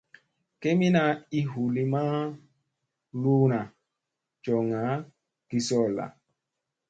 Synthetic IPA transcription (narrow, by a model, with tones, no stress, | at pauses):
ke˦mi˦na˨i˦ɦu˨li˦ma˦ | luː˦na˨ | t͡ʃɔ˨ŋa˨˦ | ki˨sɔ˦˨la̰˨